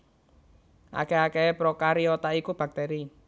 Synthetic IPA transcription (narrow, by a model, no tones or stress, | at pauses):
ʔa̰kɛakepɾɔkaɾiɔt̪aikub̥a̤k̚t̪ɛɾi